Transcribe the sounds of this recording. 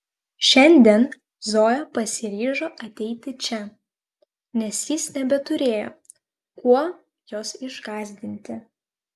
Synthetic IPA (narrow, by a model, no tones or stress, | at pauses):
ʃʲɛnʲd̪ʲiɛn | zoːjopɐsʲɪɾʲiːʒoːʔɐt̪ʲɛɪt̪ʲɪt͡ʃʲɛ | nʲɛsjɪsnʲɛbʲɛt̪ʊɾʲeːjo̰ | kuɔ | joːsɪʒɡɑːzʲd̪ʲɪnʲt̪ʲɪ